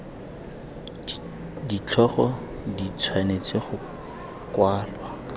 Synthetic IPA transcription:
dit͡ɬʰɔχɔ | dit͡sʰwanet͡sʼeχʊ | kwaːlwa

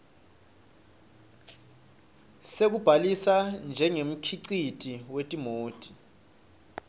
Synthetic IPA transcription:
sek̬ub̥ʱalisand͡ʒʱɛŋem̩kʰiǀitʼiwetʼimoːtʼi̥

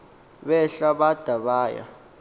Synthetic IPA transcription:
ɓɛɬaɓad̥ʱaɓaːja̰

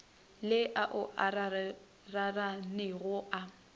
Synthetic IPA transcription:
lɪʔaʔʊʔara | raranɪɣʊʔa

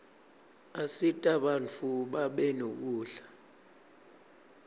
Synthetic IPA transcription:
asitʼaɓant͡fʰuɓaɓɛnok̬uːɬḁ

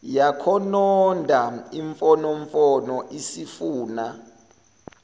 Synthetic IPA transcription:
jakʰɔnɔndʱaiɱfɔnɔɱfɔnɔʔisifuːna

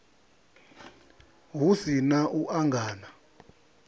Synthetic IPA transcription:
ɦusinaʔuʔaŋɡaːna

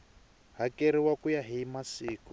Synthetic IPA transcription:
ɦakeɾiwakujaɦimasiːku

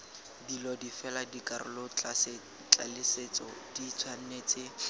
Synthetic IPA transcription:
dilɔdifɛladikʼarʊ̰lʊt͡ɬʼase | t͡ɬʼalɪset͡sɔdit͡sʰwan̩neːt͡sʰʼɪ

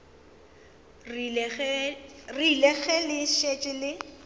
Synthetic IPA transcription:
rilɛɣɛlɪʃet͡ʃʼɪlɪ

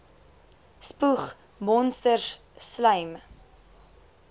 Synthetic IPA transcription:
spuχ | mɔnstər | sləjm

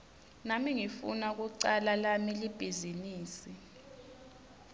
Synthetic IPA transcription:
namiŋifṵnak̬uǀalalamilib̥ʱiziniːsi

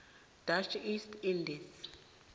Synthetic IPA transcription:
d̥at͡ʃʰistʰindɛs

